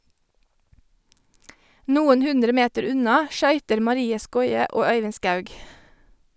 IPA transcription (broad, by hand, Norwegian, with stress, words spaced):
ˈnuːən ˈhʉndɾə ˈmeːtəɾ ˈʉnɑ ˈʃœʏtəɾ mɑˈɾiːə ˈskɔʏə ˈoː ˈœʏʋɪn ˈskɑʉɡ